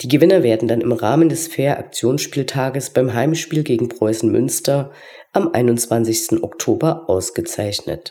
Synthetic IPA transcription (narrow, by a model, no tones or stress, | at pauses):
d̥iːɡəvɪnɐveːɐdn̩danɪmʁaːməndɛsfeːɐʔa̰k̚t͡sjoːnsʃpiːltʰaːɡəsb̥aɪmɦaɪmʃpiːlɡeːɡŋ̩pʁ̥ɔʏsn̩mʏ̰nstɐ | ʔamʔa̰ɪnʊnt͡sv̥ansɪçstn̩ʔɔ̰ktʰoːbɐʔaʊsɡ̥ət͡saɪçnə̰t